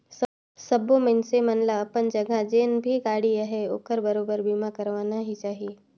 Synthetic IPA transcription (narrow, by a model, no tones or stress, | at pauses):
s | səbomənsemɐnlaːpənd͡ʒɐɡad͡ʒeːnbʱiɡaːɽiaɦeo̰ːkəɾbəɾoːbəɾbiːmakəɾʋaːnaɦit͡ʃaːɦie